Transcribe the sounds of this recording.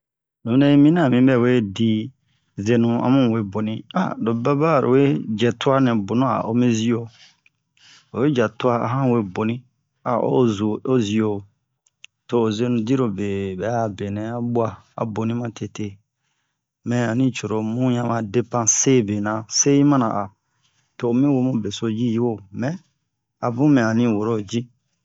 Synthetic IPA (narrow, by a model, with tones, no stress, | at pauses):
nũ˨˦nɛ̃˦mĩ˦nã˦˨mĩ˦bɛ˦˨we˦di˦ | ze˧nũ˧a̰˦mũ˦˨we˦bo˨nĩ˦a̰˦˨do˨ba˦ba˦˨ɾo̰˨we˦d͡ʒɛ˨tu˦a˦nɛ̃˨bo˨nũ˦a̰˨ʔo˨mĩ˦zi˦o˨ | o˨we˦d͡ʒa˨tu˦a˦a̰˨ɦã˦we˦bo˨nĩ˦ | a̰˨o̰˦zu˨o˦zi˨o˨ | toː˨zi˦o˦nũ˨di˦ɾo˨be˨bɛ˨˦˨be˨nɛ̃˨a˦bu˦a˦ | a̰˨bo˨nĩ˦mã˦tʰe˨te˦˨ | mɛ̃˨a˨nĩ˦t͡ʃo˨ɾo˨mũ˦ɲã˧mã˨de˦pã˦se˦be˨nã˨se˦ĩ˦mã˦nã̰˨ʔa˨ | toː˨mĩ˦wo˦mũ˦be˨so˧d͡ʒi˦ji˦wo˦mɛ̃˦ | a˨bũ˦mɛ̃˨a˨nĩ˦wo˨ɾo˦˨d͡ʒi˦